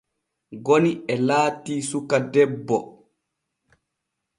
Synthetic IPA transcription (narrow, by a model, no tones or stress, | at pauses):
ɡoniɛlaːtiːsukadɛbːɔ